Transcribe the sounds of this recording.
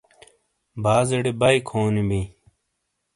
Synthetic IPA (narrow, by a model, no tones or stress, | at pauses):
baːzeɽebɐikʰoːnibi